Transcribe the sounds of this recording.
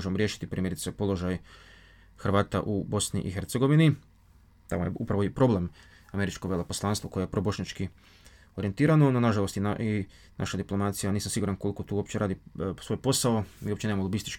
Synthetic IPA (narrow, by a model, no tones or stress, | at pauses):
oʒemoɾjeːʃi̥t̪ipɾiːmjeɾit̪sepo̞lo̞ʒaj | xrʋaːt̪a̰ʔubo̞snḭʔixe̞ɾt̪seɡo̞ʋini | t̪a̰mojeupɾaʋoipɾo̞ble̞m | ame̞ɾit͡ʃkoʋjelo̞poslˠanst̪ʋoko̞jejepɾobo̞ʃɲat͡ʃki | o̞ɾie̞nt̪iːɾanononaʒalˠo̞st̪iai | na̰ʃad̪iplˠo̞mat̪sijaniːsamsiɡuːɾankolikot̪uːwo̞pt͡ɕeɾaːd̪isʋo̞jpo̞saomḭːo̞p̚t͡ɕenemamolˠobist̪it͡ʃk